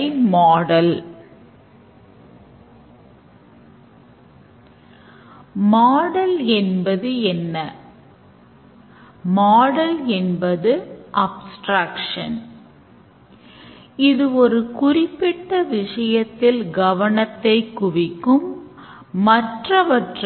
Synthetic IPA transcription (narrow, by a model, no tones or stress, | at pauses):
ɪmaːɽɐl | maːɽɐlɛnbɐðɯɛnːɐ | maːɽɐlɛnbɐðɯʔɐbsʈɾaːkʂɐ̰n | ɪðɯɔɾɯkʊrɪpːɪʈːɐʋɪʂɐjɐt̪ːɪlɡɐʋɐɳɐt̪ːɐɪkːʊʋɪkːɯmː | ɐʈrɐʋɐʈr